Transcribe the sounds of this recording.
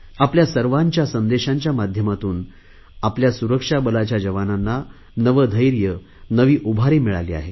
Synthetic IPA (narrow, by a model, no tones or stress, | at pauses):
apljasəɾʋaɲt͡ɕjasənd̪eɕaɲt͡ɕjamad̪ʱjəmat̪uːn | apljasuɾəkʂabəlat͡ɕjad͡ʑəʋananːa | nəʋəd̪ʱəjɾjə | nəʋiːʔubʱaɾemiɭa̰lḭːa̰ɦe